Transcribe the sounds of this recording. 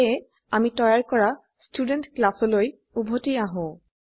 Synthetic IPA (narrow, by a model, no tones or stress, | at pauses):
ɛ | amitɔjaɹkɔɹa | studentklasɔloj | ubʱotiaɦõ